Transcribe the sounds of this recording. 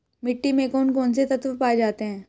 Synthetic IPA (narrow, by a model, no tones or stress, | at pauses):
mɪʈːimẽkɔːnkoːnset̪ɐt̪ʋəpaːed͡ʒaːt̪eɦɛ̃ː